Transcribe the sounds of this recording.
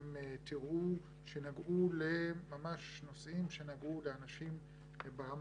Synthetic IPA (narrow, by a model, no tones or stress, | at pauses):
mtiʁʔu | ʃenaɡʔulemamaʃno̞sʔimʃe̞naɡʔuleanaʃim | baʁam